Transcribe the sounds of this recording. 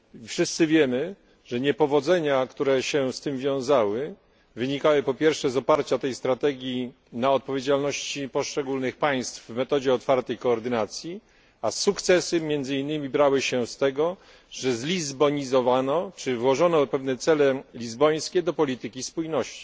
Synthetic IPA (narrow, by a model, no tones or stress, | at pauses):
fʂɘst̪sɘvʲjɛmɘ | ʐ̥ɛɲɛpɔvɔd̪zɛɲakt̪uɾɛɕɛst̪ɘmvʲjɔ̃w̃zawɘ | vɘɲikawɘpɔpʲjɛɾfʂɛzɔpaɾt͡ɕat̪ɛjst̪ɾat̪ɛɡʲji | naɔt̪̚pɔvʲjed͡ʑalnɔɕt͡ɕipɔʂt͡ʂɛɡulnɘxpaj̃st̪fvmɛt̪ɔd͡ʑɛɔt̪faɾt̪ɛjkɔːɾd̪ɘnat̪sʲji | asukt̪sɛsɘmʲjɛnd̪zɘinːɘmʲibɾawɘɕɛst̪ɛɡɔ | ʐɛzlʲizbɔɲizɔvanɔt͡ʂɘvwɔʐɔnɔpɛvnɛt̪sɛlɛlʲizbɔj̃skʲɛd̪ɔpɔlʲit̪ɘkʲispujnɔɕt͡ɕi̥